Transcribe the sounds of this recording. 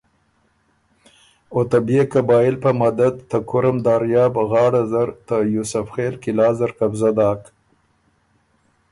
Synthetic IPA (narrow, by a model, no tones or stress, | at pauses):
ot̪abekabɑːɪlpəmad̪ad̪t̪akʊɾamd̪ɑːɾjɑːbɣɑːɽazaɾt̪əjusafxeːlkɪlɑːzaɾkabzad̪ɑːk